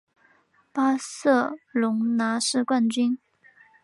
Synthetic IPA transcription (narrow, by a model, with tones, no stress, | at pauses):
pa˥sɤ˥˩lʊ˧˥ŋna˧˥ʂɻ̩˥˧kwa˥˩nt͡ɕy˥n